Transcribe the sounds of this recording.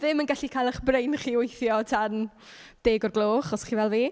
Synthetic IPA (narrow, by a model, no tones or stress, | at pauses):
ðɪmənɡaɬikʰajlˠəχbrejnχiːwejθjɔtʰan | d̥eːɡɔrɡlˠoːχɔsχiːvɛlˠviː